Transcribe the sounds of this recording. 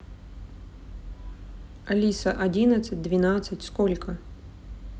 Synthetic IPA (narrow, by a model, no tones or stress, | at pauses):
ɐlʲisɐʔɐdʲinət̪sɨt̚ʲd̪vʲɪnat̪sɨtʲskolʲkə